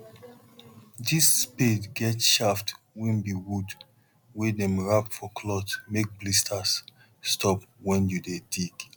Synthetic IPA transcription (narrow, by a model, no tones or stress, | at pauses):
disːpedɡɛtʃaft | wĩmbiwud | wedɛ̃mɹapfɔkʰlɔtmek̚blistʰasː | tʰɔp̚wɛ̃njudedik